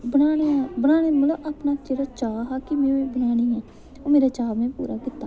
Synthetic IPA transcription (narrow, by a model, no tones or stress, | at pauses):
bəɽaːɽebəɽaːɽ̃eːmʊlaʔaːpnaːd͡ʒeːɽaːt͡ʃaːɦaːkɪmɛ̃ːiːbəɽ̃aːɽ̃iːɦɛː | oːmeːɾaːt͡ʃaːmɛ̃ːpṵːɾaːkɪt̪ːaː